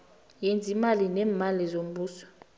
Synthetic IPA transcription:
jend͡zʱimalinɛːmalizom̩ɓuːsɔ̥

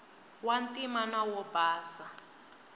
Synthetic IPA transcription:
wantʼimanawɔbaːsa

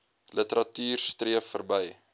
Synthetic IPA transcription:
lətəɾɐtyːrstriəfərbəj

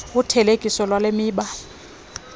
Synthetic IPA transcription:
ʊtʰɛlekʼisɔlwalemɪːɓa

